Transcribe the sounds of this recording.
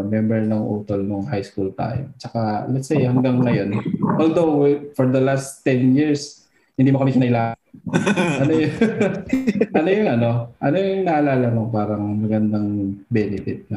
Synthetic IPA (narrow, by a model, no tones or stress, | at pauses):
mjɛmbɛɹnɐŋʔuːt̪olnʊŋhajskult̪a̰ːjo̰t͡ʃɐkalɛt̪sejhɐŋɡaŋːɐjo̞nʔold̪owfoɹd̪ɐlast̪ːɛnjiɹs | hɪnd̪iːmokɐmik̪ɪnɐɪlaː | ʔɐnojʊ | ʔɐnojʊŋʔɐno̞ʔɐnojʊŋnɐʔɐlaːlɐnoŋpaːɾɐŋmɐɡɐnd̪aŋbɛːnɪfɪt̪̚nɐ